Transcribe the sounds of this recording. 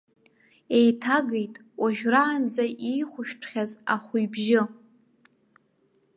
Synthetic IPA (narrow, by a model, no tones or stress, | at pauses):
e̞jtʰaɡejtʼ | waʒᶣraːnd͡zaʔijχʷʊʃᶣpʰχʲazaχʷujbʒɪ